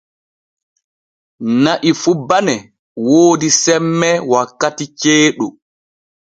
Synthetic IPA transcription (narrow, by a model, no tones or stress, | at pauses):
naʔifubanɛ | woːdisɛmːɛwakːatit͡ʃeːɗu